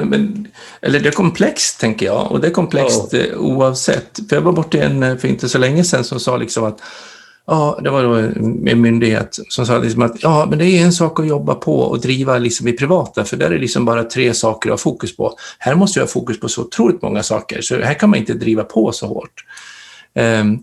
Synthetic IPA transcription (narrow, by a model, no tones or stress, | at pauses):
mɛn | ʔɛ̰lːəɖɛæɾkʰɔmpʰlɛkst̪ʰːɛŋkəjɑ̰ːɔ̰d̪ɛæɾkʰɔmpʰlɛkst̪ṵːɑvsɛ̰t̪ːfœɾjavabɔʈːɪɛ̰nːfœɾɪ̰nt̪əsɔlɛŋːəsɛnːsɔmsɑːlʔɪ̰ksɔmat̪ | jɑːd̪ɛvaɖomɪ̰nmʏnd̪ɪɡhḛːt̪sɔms̬ɑːlɪ̰ksɔmat̪jɑːmɛnd̪ɛæjɵɛnsɑːkɔjɔbːa̰pʰɔ̰ɔ̰d̪ɾiːvalɪksɔmɪpʰɾɪvɑːt̪afœɖɛæ̰ːɾɛlɪksɔmbɑːɾat̪ʰɾeːsɑːkəɾhɑ̰ːfuːkɵspʰɔ̰hæːɾmɔst̪jhɑ̰ːfuːkɵspʰɔsɔʊt̪ʰɾuːlɪt̪mɔ̰ŋːasɑ̰ːkə̰ɾʂɔɦhæːɾkʰanmanɪnt̪əd̪ɾiːvapʰɔsɔho̰ːʈ